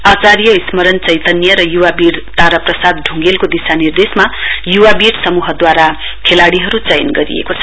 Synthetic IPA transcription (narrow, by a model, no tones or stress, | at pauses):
at͡saɾjʌismʌɾʌnt͡sʌjt̪ʌnjʌɾʌjuwabiɽt̪aɾʌprʌsad̪̚ɖʱuŋɡelkod̪isanird̪esmajuwabiɽsʌmuɦʌd̪waɾa | kʰelaɽiɦʌɾut͡sʌjnɡʌɾḭḛkot͡sʰʌ